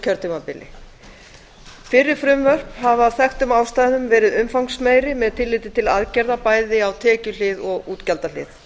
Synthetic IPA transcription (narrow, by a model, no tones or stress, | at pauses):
cʰœɾt̪ʰimapɪlɪ̰ | fɪɾːɪɾ̥fɾʏmvœr̥phavaːwθɛxt̪ʏmawst̪aːjðɪnʏmvɛːɾɪðʏmfawŋsmeːjɾɪmɛðt̪ʰɪlːɪːt̪ɪt̪ʰɪlaðcɛɾðapaːjðɪawt̪ʰɛːcʏl̥ɪðɔɣuːt̪calt̪alɪ̰θ